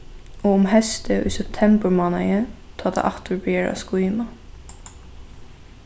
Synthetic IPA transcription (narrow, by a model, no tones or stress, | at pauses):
oːʊmhɛst̪əʔḭːsɛp̚t̪ʰɛmbəɹmoːnɑɡə | t̪ʰɑːd̪ḛʔɑkt̪ʰʊɹbeːɹɑ̰skoːɪmɑ